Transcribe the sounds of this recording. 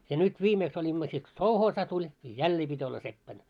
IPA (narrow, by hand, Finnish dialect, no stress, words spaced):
jɑ nyt ʋiːmeːks olʲimːɑ sit ko souhoːsɑ tulʲ jɑ jælːeː pitʲ olːɑ sepːæn